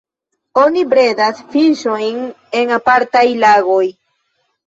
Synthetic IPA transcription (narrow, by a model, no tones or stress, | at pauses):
o̞nibɾe̞dasfiʃo̞jn | e̞ŋapaɾtajlaɡo̞j